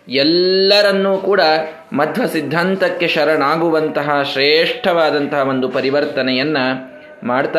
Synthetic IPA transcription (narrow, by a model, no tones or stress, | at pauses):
ɛlːɐɾɐnːuːkuːɽɐ | mɐt̪ʰʋɐsid̪ʱːɐnt̪ɐkːe̞ʃɐɾɐɳaːɡuʋɐnt̪ɐɦɐʃɾeːʂʈʰɐʋaːd̪ɐnt̪ɐɦɐʋo̞nd̪upɐɾiʋɐɾt̪ɐnɛjɐnːɐ | maːɽt̪aː